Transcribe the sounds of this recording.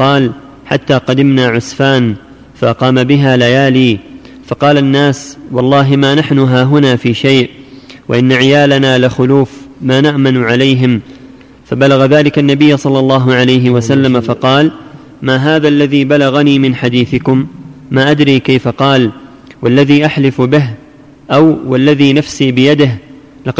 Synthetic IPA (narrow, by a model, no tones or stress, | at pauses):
qɑːl | ħa̰t̪ːaːqɑd̪ɪmnaːʕʊsfaːn | faʔqɑːmabɪɦaːlajaːliː | fɑqɑːlanːaːswɑlˤːɑːɦɪmaːnaħnʊɦaːɦʊnaːfiːʃajʔwaʔɪnːaʕɪjaːlanaːlaxʊluːfmaːnaʔmanʊʕalajɦɪm | fabalaɣaðaːlɪkanːabɪjːsˤɑlːɑlˤːɑːɦʊʕalajɦɪwasalːamafɑqɑːl | maːɦaːðalːaðiːbalaɣaniːmɪnħad̪iːθɪkʊmːaːʔad̪ɾiːkajfaqɑːl | walːaðiːʔaħlɪfbɪɦ | ʔawwalːaðiːnafsiːbɪjad̪ɪh | lɑ